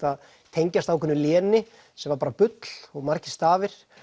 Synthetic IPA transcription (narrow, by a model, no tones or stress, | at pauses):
að | t̪ʰejɲcast̪awkʰɪnːʏljɛːnɪ | sɛmvaɾpaːɾapʏt̪l̥ɔɣmar̥cɪ̥st̪aːvɪɾ̥